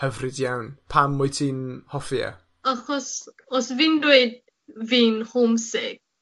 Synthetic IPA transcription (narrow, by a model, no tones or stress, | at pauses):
həvrɪdjawnpʰamːɔjtʰiːnhɔfja̰ | aχɔs | ɔsvɪndweɨd̚ | viːnhʊmsɪɡ̥̚